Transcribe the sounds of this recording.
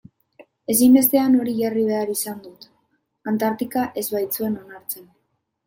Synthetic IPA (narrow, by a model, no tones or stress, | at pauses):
e̞simbe̞s̬t̪e̞ano̞ɾiʝariβ̞e̞aɾisand̪ut̪ | ant̪aɾt̪ikaʔe̞zβajt͡sue̞no̞naɾt͡se̞n